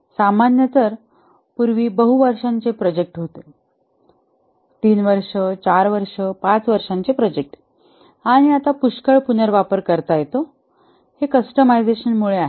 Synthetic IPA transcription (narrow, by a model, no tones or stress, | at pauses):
samanjət̪əɾ | puɾʋiːbəɦuʋəɾʂaɲt͡sepɾɔd͡ʑek̚ʈɦot̪e | t̪iːnʋəɾʂət͡ɕaɾʋəɾʂəpat͡sʋəɾʂaɲt͡sepɾɔd͡ʑek̚ʈ | aɽ̃iat̪apuɕkəɭpunəɾʋapəɾkəɾt̪ajet̪o | hekəsʈəmajd͡zeɕənmuɭeaɦe